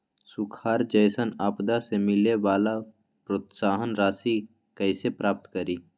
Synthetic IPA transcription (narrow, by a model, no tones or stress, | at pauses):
sʊkʰaːɾd͡ʒəjsənaːpd̪asemɪleʋaːla | pɾot̪saːɦənɾaːsi | kəɪsepɾaːp̚t̪kəɾiː